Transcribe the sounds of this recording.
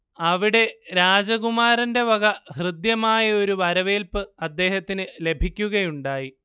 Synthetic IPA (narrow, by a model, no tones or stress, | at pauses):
ɐʋiɽe̞ɾaːd͡ʑɐɣumaːɾɐnde̞ʋɐɣɐhrɨd̪jɐmaːjɐo̞ɾuʋɐɾɐʋeːlpɨɐd̪ːe̞ːhɐt̪ːinɨle̞bʱikʲːuɣɐjuɳɖaːji